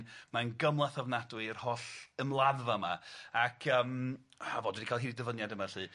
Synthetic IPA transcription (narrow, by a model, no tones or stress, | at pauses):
nmanɡəmlˠaθavnadwɨrhɔɬəmlˠaðvama̰akʰəːmhavɔdwdikʰaːlˠɦiːdidəvənjadəmarɬɨː